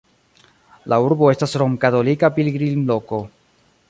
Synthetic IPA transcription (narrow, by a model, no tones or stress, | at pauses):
lauɾbo̞e̞stasɾo̞ŋkato̞likapilɡɾinlo̞ko̞